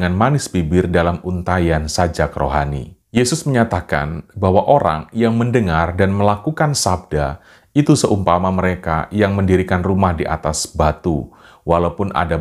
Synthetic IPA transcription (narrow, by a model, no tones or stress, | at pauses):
ŋanmanɪspibɪrdalamunt̪ajansad͡ʒakəɾo̰ɦanḭjesʊsməɲat̪aka̰nbawaʔoɾa̰ŋjaŋməndəŋardanməlakukansab̚da | it̪usəʔumpamaməɾeka̰jaŋməndiɾikanrumahdiʔa̰t̪asbat̪u | walaupʊnʔa̰da